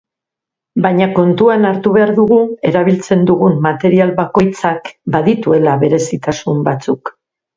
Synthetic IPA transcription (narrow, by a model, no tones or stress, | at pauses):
bajɲako̞nt̪uanaɾt̪uβe̞aɾðuɣ̞ue̞ɾaβ̞ilt͡se̞nd̪uɣunːat̪e̞ɾialβako̞jt͡sakbaðit̪ue̞laβe̞ɾe̞sit̪asumbat͡suk